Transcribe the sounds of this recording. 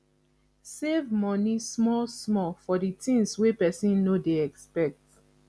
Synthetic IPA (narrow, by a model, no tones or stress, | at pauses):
sevmɔnismɔlsmɔfɔditĩŋswepɛsĩnːodeɛkspɛk̚t